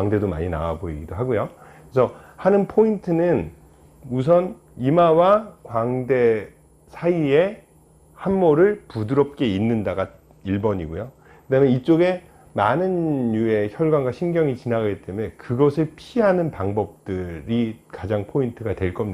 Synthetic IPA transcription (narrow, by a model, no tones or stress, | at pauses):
aŋde̞doma̰ɲina̰waboiɡidoɦaɡojo | esʰʌhanɯnpʰointʰɯnɯn | us̬ʰʌn | imawakwaŋde̞ | sʰaie | hamːoɾɯɭpudɯɾʌp̚k͈e̞inːɯndaɡa | iɭbʌɲiɡojo | kɯdamjeit͡ɕ͈oɡe̞ | manɯnːue̞çjʌɭɡwanɡwaɕʰinɡjʌŋit͡ɕinaɡaɡit͈e̞mue̞kɯɡʌsʰɯɭpʰiɦanɯnpaŋbʌp̚t͈ɯɾikad͡ʑaŋpʰointʰɯɡatwe̞ɭk͈ʌmɲi